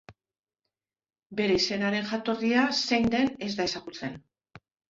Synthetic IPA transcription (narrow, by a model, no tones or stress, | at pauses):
be̞ɾe̞ise̞naɾe̞nxat̪o̞riasejnd̪e̞ne̞zd̪ae̞saɣut͡se̞n